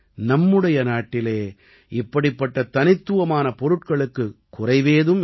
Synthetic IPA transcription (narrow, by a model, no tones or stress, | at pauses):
nɐmːɯɽɐjɐnaːʈːɪleː | ɪpːɐɽɪpːɐʈːɐt̪ɐnɪt̪ːɯʋɐmaːnɐpɔɾɯʈ̚kɐɭɯkːɯkːʊrɐɪʋeːðɯm